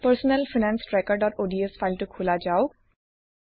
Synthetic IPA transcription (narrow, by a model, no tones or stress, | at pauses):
pəɾsnəlfɪnɛ̃ːnsɾɛkɔːɾɖɔːɾoːɖiəsfaɪlʈukʰʊlad͡ʒaːo